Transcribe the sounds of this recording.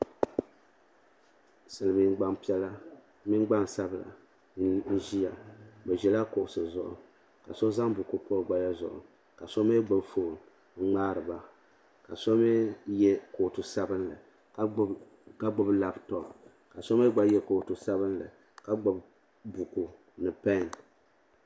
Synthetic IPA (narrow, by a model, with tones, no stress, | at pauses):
sɨ˨lɨ˨mi˨n˦ɡ͡ba˦ŋpi˦ɛ˦la˦ | mi˦n˦ɡ͡ba˦n˨sa˦bla̰˨˦ | n̩˦ʒi˦ja˨bɛ˨ʒɛ˨la˦ko˨ʔʊ˨sɨ˨zʊ˨ʔʊ̰˨ | ka˨so˦za˦ŋbu˨ko˦pɔ˦ɾɡ͡ba˦ja˦zʊ̰˨ʔʊ̰˨ | ka˨so˦me˦ɡ͡ba˨bfo˦˨˦ | ŋ͡maː˦ɾɨ˨ba˦ | ka˨so˦mɛ˦jɛ˦ko˨tu˨sa˦bɨ˦nlɨ̰˨˦ | ka˦ɡ͡bʊ˦bla˨btɔ˨ | ka˨so˦me˦ɡ͡ba˨jɛ˦ko˨tu˨sa˦βɨ˦n˦lɨ̰˨ | ka˨ɡ͡bo˨b | bu˨ku˨ | nɨ˨pɛ˦n˨